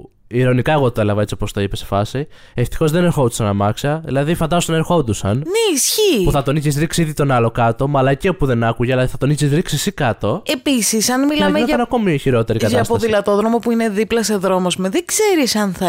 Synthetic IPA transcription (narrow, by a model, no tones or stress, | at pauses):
iɾo̞nikɐe̞ɣot̪oe̞lɐvɐe̞t͡siopost̪oipesefɐsi | eft̪i̥xo̞zðe̞ne̞ɾxo̞d̪usɐnɐmɐksɐðilɐðifɐnd̪ɐsot̪oneɾxo̞d̪usɐnneisçipuθɐt̪o̞niçizɾiksiiðit̪o̞nɐlo̞kɐt̪o̞mɐlɐceopuðe̞nɐkuʝelɐðiθɐt̪o̞nisizɾiksisikɐt̪o̞e̞pisisɐnmilɐɐmeneɐɐnɐko̞miçiɾo̞t̪e̞ɾikkɐt̪ɐspoðilɐt̪o̞ðɾo̞mo̞puine̞ðiplɐse̞ðɾo̞mo̞zmeðeɡse̞ɾisɐnθɐ